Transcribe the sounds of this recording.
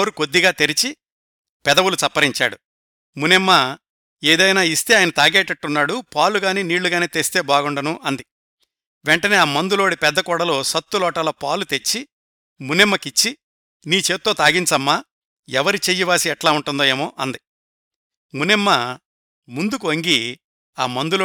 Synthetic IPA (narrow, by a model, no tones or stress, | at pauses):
ɾuko̞d̪ːiɡaːt̪e̞ɾit͡ʃi | pɛd̪ɐwulut͡ʃɐpːɐɾiɲt͡ʃa̰ːɽu | munɛmːɐ | eːd̪ɐjnaːist̪e̞ːjɐnɐt̪aːɡeːʈɐʈːunːaːɽupaːluɡaːniːniːɭːuɡaːniːt̪est̪e̞ːbaːɡuɳɖɐnuʔɐnd̪i | ʋɛɳʈɐneːaːmɐnd̪ulo̞ːɽipɛd̪ːɐkɔːɽɐlo̞ːsɐt̪ːulɔːʈɐlɐpaːlut̪e̞t͡ʃːi | munɛmːɐkit͡ʃːi | niːt͡ʃe̞ːt̪̚ːoːt̪aːɡint͡ʃɐmːaː | ɛʋɐɾit͡ʃeːjːiʋaːsiɛʈlaːuɳʈund̪oːeːmoːʔɐnd̪i | munɛmːɐ | mund̪ukuɐŋɡi | aːmɐnd̪ulo